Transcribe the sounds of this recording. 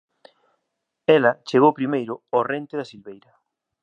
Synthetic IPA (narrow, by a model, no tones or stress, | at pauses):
ɛlɐt͡ʃeɣowpɾimejɾʊorent̪eðasilβejɾɐ